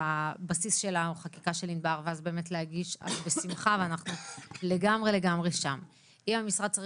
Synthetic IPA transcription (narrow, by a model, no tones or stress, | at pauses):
abasisʃe̞lauχakikaʃelinbaʁveazbe̞ːmetleɦaɡiʃa̰zbesimχaveanaχnule̞ɡamʁele̞ɡamʁeʃam | imhamisʁad̪̚t͡sa